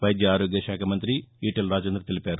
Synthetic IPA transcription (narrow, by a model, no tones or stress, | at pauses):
ʋɐjd̪jɐaːɾoːɡjɐʃaːkʰɐmɐnt̪ɾiiːʈelɾaːd͡ʒend̪ɾɐt̪ilipaːɾu